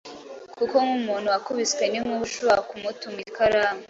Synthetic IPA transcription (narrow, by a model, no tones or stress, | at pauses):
kukoŋumuːnhuwakuβit͡skwe̞nimuʃuakumutumikʰaɾaːme